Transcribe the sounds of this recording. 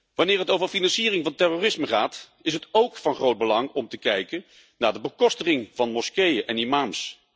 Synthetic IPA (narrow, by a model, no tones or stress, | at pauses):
ʋɑnɪːɹɦətowvəɹfinɑnsiːrɪŋvɑntɛrorɪsməχaːt | ɪsɦətowkfɑnχrowd̚bəlɑŋɔmtəkɛjkən | naːɹdəbəkɔstəχɪŋvɑnmɔskejəʔɛnimaːms